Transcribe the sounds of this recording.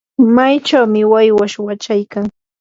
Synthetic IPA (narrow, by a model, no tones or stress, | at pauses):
majt͡ʃawmɪwajwaʃwat͡ʃajkaŋ